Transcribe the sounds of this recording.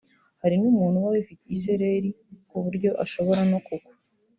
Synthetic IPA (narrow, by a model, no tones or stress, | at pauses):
haɾinuːmuːnhuwawefiteise̞ɾe̞ɾi | kuβuɾɟo̞ʔaʃo̞βo̞ɾano̞kukwḁ